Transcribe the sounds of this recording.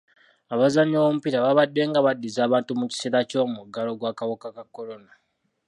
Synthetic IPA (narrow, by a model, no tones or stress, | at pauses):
aβazaɲowomupiɾaβaβadːe̞ŋɡaβadːizaːβaːntumuci̥seɾaco̞ːmuɡalo̞ɡwakawokakakːo̞ɾo̞na